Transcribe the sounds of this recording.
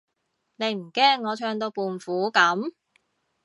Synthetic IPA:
ne˨˧jm̩˨˩kɛː˥ŋːɔː˨˧t͡ʃʰœː˧ŋt̪o˧wpuː˨˩nfuː˨˥kɐ˨˥m

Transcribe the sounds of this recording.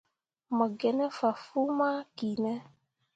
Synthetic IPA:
mə˨ɡɛ˨nɛ˦fa˨fu˦ma˦ki˨nɛ˦

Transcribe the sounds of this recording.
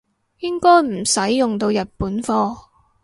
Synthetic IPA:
jɪ˥ŋkɔː˥jm̩˨˩sɐ˨˥jːʊ˨ŋt̪o˧wjɐ˨t̚puː˨˥nfɔː˥

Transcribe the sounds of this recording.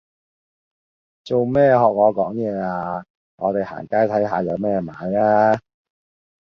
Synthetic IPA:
t͡so˨wmɛː˥˩ɦɔː˨k̚ŋɔː˨˧kɔː˨˥ŋjɛː˨˧aː˧ | ŋɔː˨˧t̪e˨jha̰ː˨˩nkaː˥jt̪ʰɐ˨˥jɦaː˨˧jɐ˨˧wmɛː˥maː˨˥jaː˥

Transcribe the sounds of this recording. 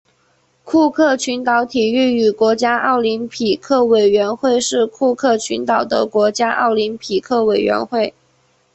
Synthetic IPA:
kʰu˥˧kʰɤ˥˩t͡ɕʰy˧˥nt̪ɑ˧˥ʊt̪ʰi˨˩y˥˩y˨˩kwɔ˧˥t͡ɕja˥ʔɑ˥˩ʊli˧˥npʰi˨˩kʰɤ˥˩we˨˩ɪɥɛ˧˥nxwe˥˧ɪʂɻ̩˥˧kʰu˥˧kʰɤ˥˩t͡ɕʰy̰˧˥nt̪ɑ˨˩ʊd̪ə̰˦kwɔ˧˥t͡ɕja˥ʔɑ̰˥˩ʊli˧˥npʰi˨˩kʰɤ˥˩we˨˩ɪɥɛ̰˧˥nxwe˥˩ɪ

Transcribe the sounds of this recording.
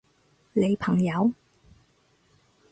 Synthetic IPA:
le˨˧jpʰɐ˨˩ŋjɐ˨˥w

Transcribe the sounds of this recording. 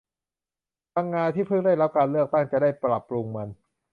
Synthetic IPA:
t̪ʰa˧ŋːaː˧nt̪ʰiː˥˩pʰɯ˥˩ŋda˥˩jɾa˦˥p̚kaː˧nlɯ˥˩ək̚t̪a˥˩ŋt͡ɕa˨˩daː˥˩jpɾa˨˩pːɾu˧ŋma˧n

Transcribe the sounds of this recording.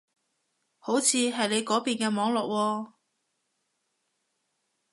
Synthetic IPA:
ho˨˥wt͡sʰiː˧ɦɐ˨jle˨˧jkɔː˨˥piː˨nkɛː˧mɔː˨˥ŋlɔː˨k̚wɔː˧

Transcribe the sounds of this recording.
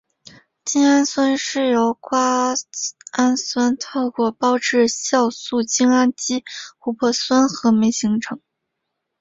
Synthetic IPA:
t͡ɕi˥ŋa˥nswə˥nʂɻ̩˥˩jo˧˥ʊkwa˥ | a˥nswə˥nt̪ʰɤ˥˩ʊkwɔ˥˩pɑ˥ʊʈ͡ʂɻ̩˥˧ɕjɑ˥˧ʊsu˥˩t͡ɕi˥ŋa˥nt͡ɕi˥xu˧˥pʰɔ˥˩swə˥nxɤ˧˥me˧˥ɪɕi˧˥ŋʈ͡ʂʰɤ˧˥ŋ

